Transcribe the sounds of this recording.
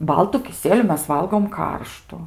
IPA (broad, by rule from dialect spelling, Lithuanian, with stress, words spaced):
ˈbɐlˠtʊ kʲɪˈsʲiɛlʲʊ ˈmʲɛs ˈʋɐlˠɡoːm ˈkɐrʃtʊ